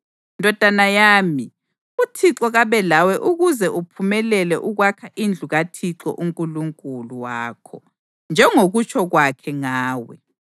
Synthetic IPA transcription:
ndʱɔd̥ʱanajaːmi | utʰiǁɔɣaβɛlawɛʔuɣuzɛʔupʰumɛlɛlɛʔuɣwakʰaʔind͡ɮʱuɣatʰiǁɔ̰ʔuŋkʼuluŋkʼuluwaːkʰɔ̰ | nd͡ʒʱɛŋoɣut͡ʃʰʼɔɣwakʰɛŋaːwɛ̰

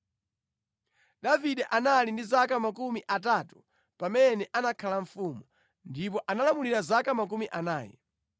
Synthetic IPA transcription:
ɗaviɗɛʔanalindizakamakumiʔatatu̥ | pamɛnɛʔanakʰalaɱfuːmɔ | ndip̬ɔʔanalamuliɾazakamak̬umiʔanaːjɛ̰

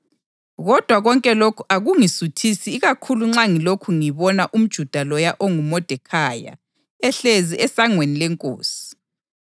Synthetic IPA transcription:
ɣɔd̥ʱwaɣɔŋkʼɛlokʰuaɣuŋisutʰisiːɣakʰuluŋ͡ǁaŋilokʰuŋiβɔnaʔum̩d̥ʒ̥ʱud̥ʱalɔjaʔoŋumɔd̥ʱɛkʰaːja̰ | ɛɬeziʔɛsaŋwenilɛŋkʼo̰ːsi̥

